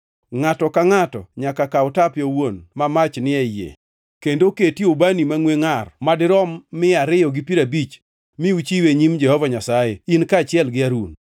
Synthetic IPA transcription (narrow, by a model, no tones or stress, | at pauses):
ŋatɔkaŋatɔ̰ɲakakaʊtapjɔwonmamat͡ʃnɪɛjḛ | kendoketiobanimaŋweŋarmadɪɾɔmːɪaɾɪjɔɡɪpiɾabit͡ʃ | mɪut͡ʃiweɲimd͡ʒɛhɔvaɲasajeinkat͡ʃɪɛlɡɪaɾun